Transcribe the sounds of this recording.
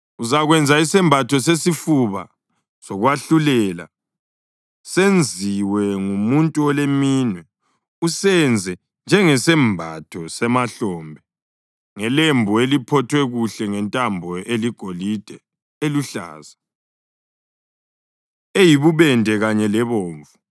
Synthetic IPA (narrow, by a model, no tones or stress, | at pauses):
uzaɣwɛnd͡zʱaisɛmbʱatʰɔsesifuβa̰ | sɔɣwaɬulɛla̰ | send͡zʱiwɛŋumuntʼuɔlemiːnwɛ | usɛnd͡zʱɛ | nd͡ʒʱɛŋɛsɛmbʱatʰɔsɛmaɬɔːmbʱɛ | ŋɛlembʱuelipʰɔtʰwɛɣuɬɛŋɛntʼambʱɔʔeliɡ̥ʱolid̥ʱɛ | eluɬa̰ːza | ejiβuβɛndʱɛɣaɲɛlɛβoːɱvu